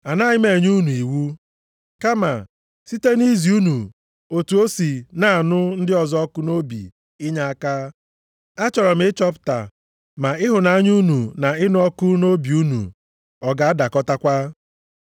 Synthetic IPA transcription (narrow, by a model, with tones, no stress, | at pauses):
a˨na˦ɲɪ˦me˨ɲ˦u˦nu˨i˨wu˦ | ka˦ma̰˨ | si˦te˦ni˦zi˨u˦nu˨ | o˨tu˨o˦si˨na˨nʊ˦n̩˦dɪ˦ɔ˨zɔ˦kʊ˦no˦bḭ˨ | ɪ˦ɲa˦a˦ka˦ | a˦t͡ʃɔ˨ɾɔ˨m̩˦ɪ˦t͡ʃɔ˦pʊ̥˦ta̰˨ | ma˨ɪ˦ɦʊ˨na˦ɲ˦u˦nu˨na˨ɪ˦nʊ˦ɔ˦kʊ˦no˦bi˨u˦nṵ˨ | ɔ˨ɡa˨a˦da˨kɔ˦ta˦kʷa˦